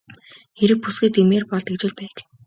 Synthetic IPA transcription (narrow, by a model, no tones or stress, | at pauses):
xeɾɘ̆k̚pusɡɘ̆t̪emeːrpɔɮt̪ĕkt͡ɕɪ̆ɮpæːk